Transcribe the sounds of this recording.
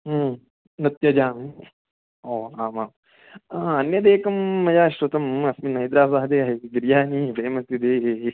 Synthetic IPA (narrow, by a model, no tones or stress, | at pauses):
nɐt̪jɐd͡ʒaːmi | oːaːmaːm | aɐnjɐd̪eːkɐmɐjaːʃɾot̪ɐmɐsminːɐjd̪ɾaːbaːɦɐd̪eːɐd̪ɾjaːniːbʱɐːmɐst̪ːid̪eːɦe